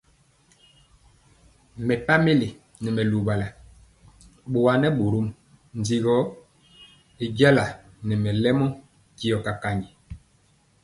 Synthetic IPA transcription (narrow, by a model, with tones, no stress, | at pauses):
mɛ˨pa˦me˦li˨ | nɛ˨mɛ˨lu˨ba˨la˨ | ɓo˨wa˨nɛ˦ɓu˨ɾu˦m | n˨d͡zi˨ɣɔ˦ | e˨ɡa˦la˨ | nɛ˨mɛ˨lɛ˦mɔ˦ | ki˦ɔ˨ka˨ka˨ɲi˨